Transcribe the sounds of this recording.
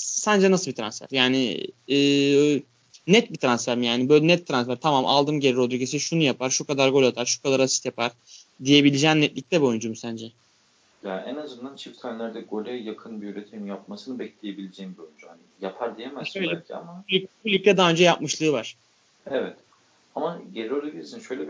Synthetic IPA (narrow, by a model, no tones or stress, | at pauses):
sænd͡ʒɛnasɯlˠbit̪ʰɾa̰nsfæ̰ɾjaːnɪ̰ː | nɛt̪̚bit̪ʰɾansfæɾmjaːnibøjlʲɛnɛt̪ʰːɾansfæɾt̪ʰamamʔa̰lˠd̪ɯmɟelʲiɾod̪uɾɟes̬iʃunujapʰaɾʃukad̪aɾɡo̞lʲat̪ʰaɾʃu̥kʰad̪aɾasi̥t̪japʰaɾ̥ | d̪ije̞bilʲid͡ʒɛːnnɛt̪lʲic̚t̪ʰɛbio̞jund͡ʒumusænd͡ʒɛ | jaɛnazɯnd̪ant͡ʃʰift̪ʰanlʲæɾd̪ɛɡo̞lʲɛjakʰɯnbiyɾʲet̪ʰiinjap̚masɯnɯbɛclʲeje̞bilʲid͡ʒɛjimbiojynd͡ʒuhanijapʰaɾd̪ijemɛzʃøjlʲɛcʲɛa̰mabulʲybulʲyk̪ːʲɛd̪aːønd͡ʒɛjapmɯʃlˠɯːvaɾ̥ | evɛt̪ | amaɟeliɾolˠabilʲiɾsinʃøjlʲɛb